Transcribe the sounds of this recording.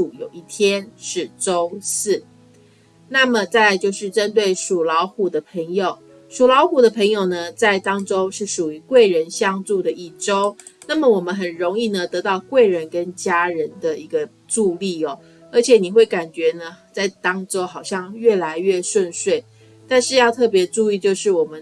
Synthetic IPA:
u˨˩jo˨˩ʊi˥˩t̪ʰjɛ˦nʂɻ̩˥˩ʈ͡ʂo˥ʊsɹ̩˥˩ | na˥˩mə˨t͡sa˥˧ɪt͡ɕjo˥˧ʊʂɻ̩˥˩ʈ͡ʂə˦nt̪̬we˥˩ɪʂu˨˩lɑ˧˥ʊxu˨˩d̪ə˦pʰə˧˥ŋjo˨˩ʊ | ʂu˨˩lɑ˧˥ʊxu˨˩d̪ə˦pʰə˧˥ŋjo˨˩ʊnə˩t͡sa˥˩ɪt̪ɑ˥ŋʈ͡ʂo˥ʊʂɻ̩˥˩ʂu˨˩y˧˥kwe˥˩ɪɻə˧˦nɕjɑ˥ŋt͡su˥˧˩d̪ə˩ʔi˥˩ʈ͡ʂo˥ʊ | na˥˩mə˩wɔ˨˩mə˦nɦə˨˩nɻo˧˥ŋi˥˩nə˩t̪ɤ˧˥t̪ɑ˥˩˧ʊkwe˥˩ɪɻə˧˦nkə˦˥nt͡ɕja˥ɻə˧˦nd̪ə˧i˧˥ɡə˧ | ʈ͡ʂu˥˧li˥˩ɔ˩ | ə˧˥t͡ɕʰjɛ˨˩˦ni˨˩xwe˥˩ɪka˨˩nt͡ɕɥɛ˧˥nə˦t͡sa˥˩ɪt̪ɑ˥ŋʈ͡ʂo˥ʊxɑ˨˩ʊɕjɑ˥˧ŋɥɛ˥˩la˧˥ɪɥɛ˥˩ʂwə˥˧nʂwe˥˩ɪ | t̪a˥˧nʂɻ̩˥˧jɑ˥˧ʊt̪ʰɤ˥˩pjɛ˧˥ʈ͡ʂu˥˧i˥˧t͡ɕjo˥˧ʊʂɻ̩˥˩wɔ˨˩mə˦n

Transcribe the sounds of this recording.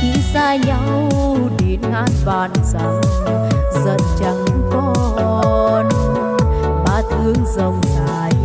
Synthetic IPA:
xi˧˥saː˧ɲa˧˦w | ɗi˨˩ənŋʔaː˧˥nvaː˨˩nsa˧w | zə˨˩nt͡ɕa˧˩ŋkɔ˧ | n˧˦ | ɓaː˧˩t̪ʰɨ˧˦əŋzə˨˩wŋ͡mŋaː˨˩j

